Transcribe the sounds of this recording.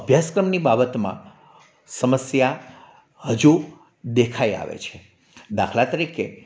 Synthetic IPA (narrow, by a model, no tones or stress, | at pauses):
əbʱjaskɾəmnibabət̪mã̰ | səməsja | həd͡ʒu | d̪ekʰaia̰ʋḛt͡ʃʰe | d̪a̰kʰlat̪əɾike